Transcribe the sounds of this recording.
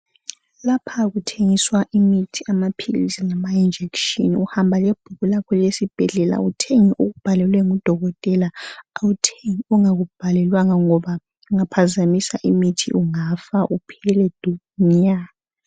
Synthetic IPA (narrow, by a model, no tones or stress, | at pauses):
lapʰaɣutʰeŋiswaʔimitʰiamapʰiɣḭsinamaind͡ʒʱekʃḭnuhambʱalɛb̥ʱuɣulakʰɔlesib̥ʱɛɮɛla̰utʰeŋiʔuɣub̥ʱalɛlwɛŋud̥ʱɔɣɔtʼɛlaautʰeŋiuŋaɣub̥ʱalɛlwaŋaŋɔβa | uŋapʰazamisaʔimitʰḭʔuŋafaʔupʰɛlɛd̥ʱu | ɲaa